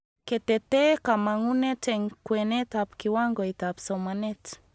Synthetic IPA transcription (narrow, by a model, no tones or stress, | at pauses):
ket̪et̪ekamaŋunetɛŋkwenet̪apkiwaŋɡɔit̪apsomanet